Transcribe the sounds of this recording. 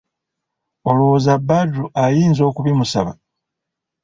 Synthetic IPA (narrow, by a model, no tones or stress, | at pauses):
o̞loozabːadːuʔajiːnzo̞ːkuβimusa̰βa̰